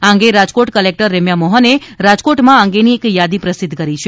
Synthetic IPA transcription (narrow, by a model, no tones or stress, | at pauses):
ãŋɡeɾad͡ʒkoʈkəlek̚ʈəɾːɛmjamɔɦəne | ɾad͡ʒkoʈmãə̃ŋɡeniekjad̪ipɾəsɪd̪ʱːkəɾit͡ʃʰe